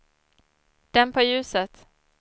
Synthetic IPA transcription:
d̪̥ɛmpʰɔjʉ̟ːsət̪

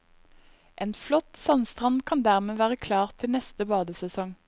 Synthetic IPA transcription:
ʔeːnflɔt̪sɑnst̪ʁɑnkʰɑnd̪æʁmeːʋæːʁəkʰlɑːʁt̪ʰɪlnɛst̪əbɑːd̪əsɛsɔŋ

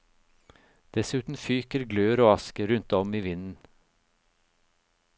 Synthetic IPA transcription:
d̪̥ɛsʉːt̪n̩fyːkəɾɡløːɾoːɑskəɾʉnt̪ɔmiːʋɪnn̩

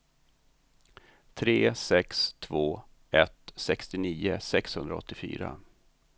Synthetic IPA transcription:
t̪ʰɾeːsɛkst̪ʰvoː | ɛt̪sɛkst̪ɪniːəsɛkshɵnd̪ɾaɔ̰t̪ːɪfy̰ːɾa

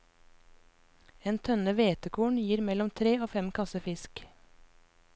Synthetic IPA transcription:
eːnt̪ʰœnəʋeːt̪əkʰuːɳjiːɾmɛlɔmt̪ʰɾeːoːfɛmkʰɑsəfɪsk

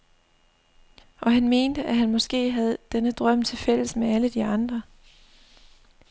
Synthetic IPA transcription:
ʔɒ̽ɦænme̝ːnd̥əʔæɦænmɒ̽sɡ̥e̝̰ːɦæð̞̩ˠd̥enəd̥ʁɶm̰t͡sʰe̝fel̰əsmeæləd̥iɑ̈nd̥ʁɐ

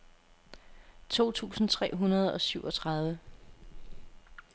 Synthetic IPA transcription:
t͡sʰo̝̰ːt͡sʰṵːsn̩t͡sʰʁɛ̰ːɦunɐð̞ˠɒ̽syʊɒ̽t͡sʰʁɑ̈ð̞ˠʋə

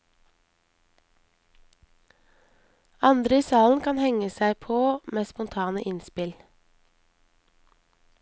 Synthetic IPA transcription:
ɑnd̪ɾəiːsɑːln̩kʰɑnhɛŋəsæɪpʰoːmeːspʊnt̪ʰɑːnəʔɪnspɪl

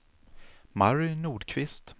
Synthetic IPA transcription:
maɾʏnuːɖkʰvɪst̪

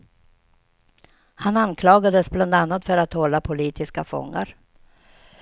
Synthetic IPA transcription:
hanankʰlɑːɡad̪əsbland̪anːat̪fœɾat̪hɔlːapʰʊliːt̪ʰɪskafɔ̰ŋːa̰ɾ

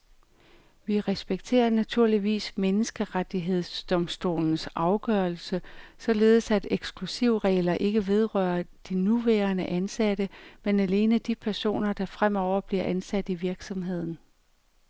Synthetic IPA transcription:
ʋiʁɛsb̥eɡ̥̚t͡sʰe̝̰ːɐnæt͡sʰuɐ̰liʋḭːsmenəsɡ̥əʁad̥iɦe̝ð̞̰ˠsd̥ɒ̽msd̥o̝̰ːln̩sʔɑ̈ʊɡ̥œːɐl̩səsɒ̽le̝ːð̞̩ˠsæd̥eɡ̥sɡ̥lusiʊ̰ʁɛ̰ːlɐʔe̝ɡ̥əʋe̝ð̞ˠʁœːɐd̥inuʋæːɐnəʔænsæd̥əmenæle̝ːnəd̥ipʰæɐso̝̰ːnɐd̥ɑ̈fʁam̰ɒʊ̰ɐb̥liɐʔænsæd̥iʋiɐɡ̥sɒ̽mɦe̝ð̞̰ˠn̩

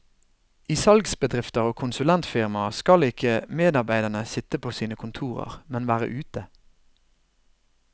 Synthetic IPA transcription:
iːsɑlɡsbəd̪ʁɪft̪əʁoːkʰʊnsʉlɛnt̪fɪʁmɑskɑlɪkʰəmeːd̪ɑʁbæɪd̪əɳəsɪt̪əpʰoːsiːnəkʰʊnt̪ʰuːʁə̰ʁmɛnʋæːʁə̰ʔʉːt̪ə

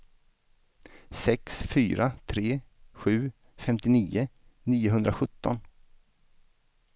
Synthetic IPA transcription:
sɛksfyːɾʔat̪ʰɾeːɧʉ̟ː | fɛmt̪ɪniːʊniːʊɦɵnd̪ɾaɧɵt̪ːɔn

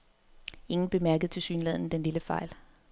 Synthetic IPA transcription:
e̝ŋn̩b̥e̝mæɐɡ̥əð̩ˠt͡sʰe̝lsyːnlɛð̞̰ˠn̩əd̥enliləfɑ̈ɪl

